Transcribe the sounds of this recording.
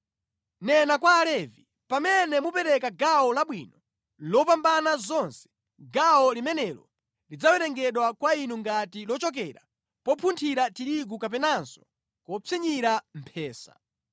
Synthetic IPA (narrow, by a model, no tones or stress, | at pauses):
nɛnakwaːlɛvi | pamɛnɛmupɛɾɛkaɡaɔlaɓwinɔ | lɔpambanazɔnsɛ̥ | ɡawɔlimɛnɛlɔ̰ | lid͡zawɛɾɛŋɡɛɗwakwainuŋɡatilɔt͡ʃɔk̬ɛɾa̰ | pɔpʰuntʰiɾatiɾiɡ̬ukap̬ɛnanzɔ̥ | kɔpʰiɲiɾam̩pʰɛːsa̰